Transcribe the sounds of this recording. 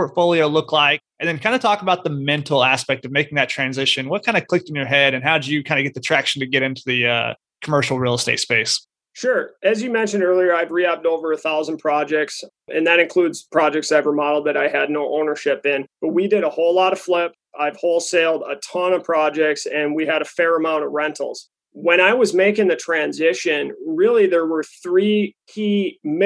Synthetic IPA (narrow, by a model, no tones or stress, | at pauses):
pʰɔɹtfoʊlˠioʊlʊkʰlaɪk̚ | ʔɨ̃nðɨ̃nkʰãɪ̃ndɨtʰɔkəbaʊt̪̚ðəmɛ̃ntʰl̩ˠæspɛk̚tʌvmeɪkɪ̃ŋðɨtʰɹ̥æ̃nzɪʃɨ̃nwʌt̚kʰãɪ̃ndɨkʰl̥ɪk̚tn̩jə˞ɦɛɾɨ̃nɦaʊdɨjɨkʰãɪ̃ndɨɡɛt̪̚ðɨtʰɹ̥ækʃn̩tɨɡɛɾɪ̃ntʰʉðɨʌ̰ | kʰəmɜ˞ʃl̩ˠɹilˠsteɪtspeɪs | ʃʊɹɨzjɨmɛ̃nʃɨ̃n̩dɜ˞lˠiə˞aɪvɹiæp̚toʊvə˞ɨθaʊz̃n̩pʰɹ̥ɑd͡ʒɛk̚ts | ʔɨ̰̃nðɨɾɨ̃nkʰl̥udz̥pʰɹ̥ɑd͡ʒɛk̚tsaɪvɹəmɑɾl̩ˠd̪̚ðɨɾaɪɨdⁿnoʊʔõʊ̃nə˞ʃɪpɪ̃nb̥ʌt̚widɨɾəhoʊlɑɾʌv̥flɪp̚ | aɪv̥hoʊlˠseɪlˠdə̰tʰɑ̃nʌ̥pʰɹ̥ɑd͡ʒɛk̚tsɨ̃nwiɨɾɨfɛɹɨmãʊ̃ɾ̃ʌvɹɛ̃ntʰl̩ˠz̥ | wə̃ɾ̃aɪwʌzmeɪkɪ̃ŋðɨtʰɹ̥æ̃nzɪʃɨ̃nɹɪlˠiðə˞wə˞θɹikʰim